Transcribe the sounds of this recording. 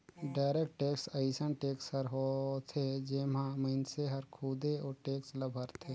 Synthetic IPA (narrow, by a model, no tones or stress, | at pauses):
ɖaːɾeːkʈʈeːksəɪsənʈeːksəɾɦot̪ʰed͡ʒɪːmãməɪnseɦəɾkʰuːd̪eɔːɾʈeːksləbʱəɾt̪ʰeː